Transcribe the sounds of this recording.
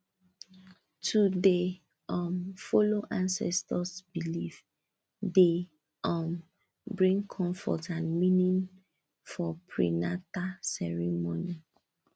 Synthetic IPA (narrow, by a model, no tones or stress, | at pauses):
tʰude | ɔ̃mfoloʔãnsɛ̰stɔsbilif | de | ɔ̃m | bɹĩŋkʰɔ̃ɱfɔ̰tãnminĩn | fɔpʰɹḭnatasɛɹimoni